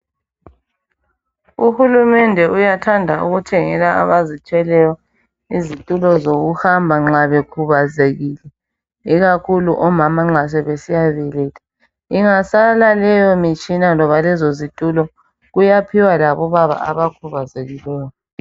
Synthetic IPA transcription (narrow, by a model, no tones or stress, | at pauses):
uhulumɛndʱɛujatʰandʱaṵɣutʰɛŋɛlaa̰βazitʰɛlɛjɔ | izitʼulɔzoɣuhambʱaŋ͡ǁaβekʰuβazeɣilɛ | iɣakʰuluʔɔmamaŋ͡ǁasɛβesijaβɛlɛtʼḁ | iŋasalalɛjɔmit͡ʃʼinanɔβalɛzozitʼulɔ | ɣujapʰiwalaβɔβaβa̰a̰βakʰuβazeɣilɛːjɔ